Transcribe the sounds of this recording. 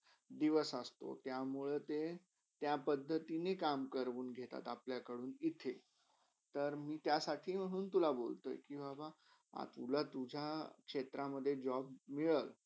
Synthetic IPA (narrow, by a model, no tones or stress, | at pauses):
d̪iʋəsəst̪o̰t̪jamuɭət̪e | t̪japəd̪ʱːət̪inekamkəɾʋuːnɡʱet̪a̰t̪apljakəɽuːnit̪ʰe | t̪əɾmiːt̪jasaʈʰiːm̤əɽ̃uːnt̪ulabolt̪o̰jkĩʋaba | a̰t̪ulat̪ud͡ʑʱjakʂet̪ɾaməd̪ʱːjed͡ʑɔbmiɭəl